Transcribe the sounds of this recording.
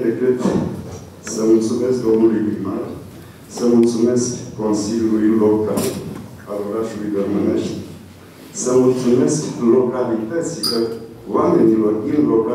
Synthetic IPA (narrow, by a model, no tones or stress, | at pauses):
d̪ekɨt̪ | səmult̪sumeskd̪omulujbimar | səmult̪sumeskːonsilʲulujinlokal | aloɾatulujd̪əɾməneʃt̪ | səmult̪sumesklokalit̪ət̪silə | wameniloɾinloka